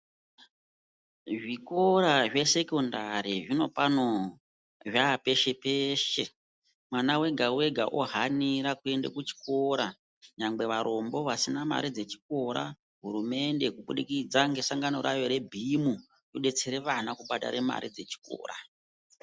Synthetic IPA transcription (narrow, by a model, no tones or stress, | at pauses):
ʐiko̞ɾaʐe̞se̞kondaɾiʐino̞pano | ʐape̞ʃe̞peʃe | mwanawe̞ɡʱawe̞ɡʱaʔoɦaniɾakue̞ndekut͡ʃi̥ko̞ɾa | ɲamɡ͡be̞ʋaɾo̞mbo̞ʋasinama̰ɾid͡ze̞t͡ʃi̥ko̞ɾa̰ | ɦuɾume̞nde̞kuɓuɗikid͡zaŋɡe̞saŋɡano̞ɾa̰jo̞ɾe̞bʱimu | joɗe̞t͡seɾeʋanakuɓaɗa̰ɾe̞ma̰ɾid͡ze̞t͡ʃi̥ko̰ːra̰